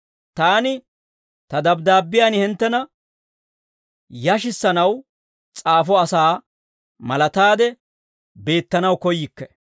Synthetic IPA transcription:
t̪aːnɪ | t̪ɐd̪ɐbd̪aːbːɪjaːnhɪnt̪ːɛnɐ | jɐʃ̬ɪsːɐnɐw | t͡sʼaːfɔɐsaː | mɐlɐt̪aːd̪ɛ | be̞ːt̪ːɐnɐwkɔjːɪkːɛ̥

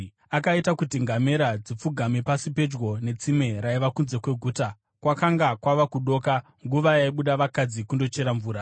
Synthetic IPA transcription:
akaitakutiŋɡame̞ɾad͡zip͡fuɡʱamepasipe̞d͡ʒɡo̞ne̞t͡sime̞ɾaiʋakunze̞kwe̞ɡʱuːta | kwakaŋɡakwaʋakuɗo̞ːka | ŋɡuʋajaiɓuɗaʋakad͡zikundo̞t͡ʃe̞ɾaɱvuːɾa

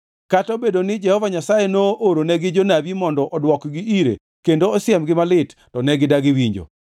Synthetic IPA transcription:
katobedonɪd͡ʒɛhɔvaɲasajenoʔoɾonɛɡɪd͡ʒonabimɔndɔʔɔdwɔkɡɪiɾḛ | kendoɔsjɛmɡɪmalɪttɔnɛɡɪdaɡɪwiɲd͡ʒo̰

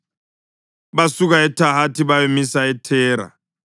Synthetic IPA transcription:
βasuɣaɛtʰaɦatʰiβajomisaɛtʰɛːɾa̰

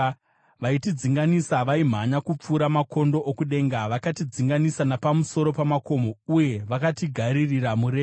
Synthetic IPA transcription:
ʋaitid͡ziŋɡanisaʋaim̤aɲakup͡fuːɾamako̞ndo̞ʔokuɗe̞ːŋɡaʋakatid͡ziŋɡanisanapamuso̞ɾo̞pamako̞mouje̞ʋakatiɡʱaɾiriɾamuɾe

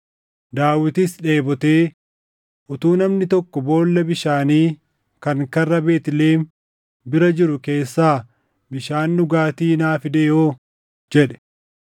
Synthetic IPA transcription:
d̪aːwɪt̪ɪsᶑe̞ːbɔt̪e̞ː | ʔʊt̪uːnɐmnɪt̪ɔkːɔbo̞ːlːɐbɪʃaːniː | kɐŋkɐrːɐbe̞ːt̪ɪleːm | bɪɾɐd͡ʒɪɾʊke̞ːsːaː | bɪʃaːnːʊɡaːt̪iːnaːfɪd̪eːʔoː | d͡ʒɛᶑɛ̥

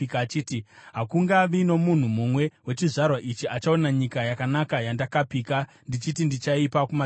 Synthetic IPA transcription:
kːt͡ʃiːtiɦakuŋɡaʋino̞mun̤umumwe̞we̞t͡ʃiʐarwaʔit͡ʃiʔat͡ʃao̞naɲikajakanakajandakapiːka | ndit͡ʃitindit͡ʃaipakuma

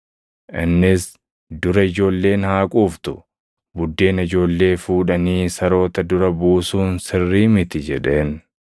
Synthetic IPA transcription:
ʔɪnːɪs | d̪ʊɾɐɪd͡ʒo̞ːlːe̞ːnhaːkʼuːft̪ʊ | bʊd̪ːe̞ːnɪd͡ʒo̞ːlːe̞ːfuːᶑɐniːsɐɾo̞ːt̪ɐd̪ʊɾɐbuːsuːnsɪrːiːmɪt̪ɪd͡ʒɛᶑe̞ːn

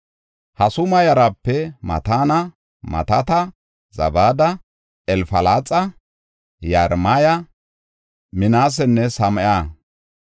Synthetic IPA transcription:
hɐsʊmɐjɐɾɐpːɛmɐ̰t̪aːnɐ | mɐ̰t̪ɐt̪ɐ | zɐ̰baːd̪ɐ | ɛlfɐlaːt͡sʼːɐ | jɐɾmajɐ | mɪnaːs̬ɛnːɛsɐmɐjaː

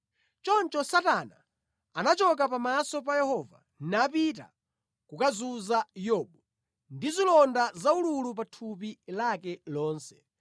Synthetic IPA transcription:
t͡ʃɔnt͡ʃɔsatana̰ | anat͡ʃɔk̬apamasɔp̬ajɛhɔːva̰ | nnapita̰ | kukazuzajɔɓɔ | ndizilɔndazaululup̬atʰup̬ilakɛlɔːnsɛ̥

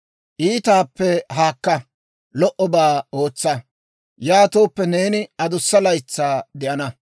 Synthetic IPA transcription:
ʔiːt̪aːpːɛɦaːkːɐ | lɔʔɔbaːo̞ːt͡sːɐ | jaːt̪o̞ːpːɛne̞ːnɪɐd̪ʊsːɐlɐjt͡sːaːd̪ɪʔɐnɐ

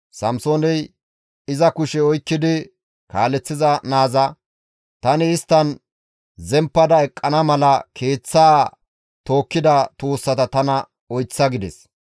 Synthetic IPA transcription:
sɐmsonɛj | ɪzɐkʊʃɛɔjkːɪd̪ɪ | kaːlɛt͡sːɪzɐnaːzɐ | t̪ɐnɪːst̪ːɐn | zɛmpːɐd̪ɐɛkʼːɐnɐmɐlɐkʰe̞ːt͡sːaː | t̪o̞ːkːɪd̪ɐt̪oːsːɐt̪ɐt̪ɐnɐ | ɔjt͡sːɐɡɪd̪ɛ̰s

